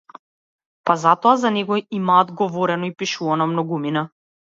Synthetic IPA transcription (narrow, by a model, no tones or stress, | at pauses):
pazat̪ɔazanɛɡɔimaːd̪ɡɔvɔɾɛnɔipiʃuvanɔmnɔɡumina